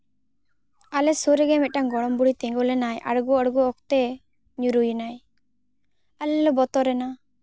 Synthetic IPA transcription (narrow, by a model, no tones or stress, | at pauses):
alɛsuɾɛɡɛmɛʈaŋɡɔɽɔmbuɽit̪ɛ̃ŋɡɔlɛnajʔa̰ɽɡɔaɽɡɔɔkt̪ɛ | ɲuɾujnaj | alɛlɔbɔt̪ɔɾɛna